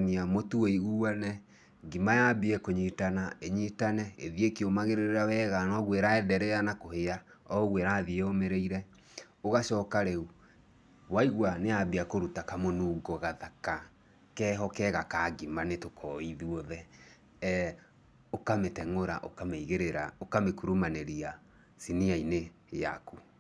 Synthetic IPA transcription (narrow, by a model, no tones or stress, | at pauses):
niamotueiuːwanɛ | ɡimajabiɛkoɲitanaeɲitanɛeðiekiomaɣeɾeɾeɾawɛɣanɔɣweɾaɛdɛɾɛanakoheaɔɣweɾaðieomeɾeiɾɛ | oɣaʃɔkaɾeu | βwaiɣwaneabiakoɾutakamonuːɡɔɣaðaka | kɛːɦɔkɛɣakaɡimanetokʰɔiðuɔðɛ | ɛ | okametɛŋoɾa̰ʔokameiɣeɾeɾaokamekuɾumaneɾia | siniaine | ja̰ku